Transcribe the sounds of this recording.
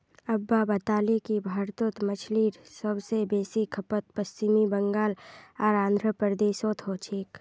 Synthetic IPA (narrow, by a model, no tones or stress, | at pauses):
əbːabət̪aːlekibʱaːɾt̪ot̪mət͡ʃʰliːɾsəbsebeːsikʰəpət̪̚pəst͡ʃimibəŋɡaːlɔːɾãːnd̪ʱɾəpəɾd̪eːsoːt̪ʰɦot͡ʃʰiːk